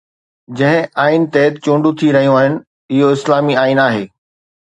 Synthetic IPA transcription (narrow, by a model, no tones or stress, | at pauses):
d͡ʑɐ̃ɦɪ̃aːɪnt̪ɛːt̪t͡ɕũːɳɖũt̪ʰiɾɐɦijũaːɦɪnɪ̆ | ɪɦoɪslaːmiaːinaːɦeː